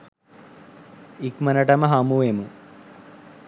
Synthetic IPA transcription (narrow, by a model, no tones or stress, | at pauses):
ikmɐnɐʈɐmɐɦaːmuʋeːmu